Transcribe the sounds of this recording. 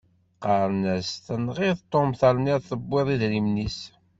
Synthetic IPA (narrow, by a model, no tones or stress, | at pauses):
qɑɾˤnæst̪ənʁɪðt̪ˤːomθɑɾˤniɾθəbːɪðˤiðɾimnis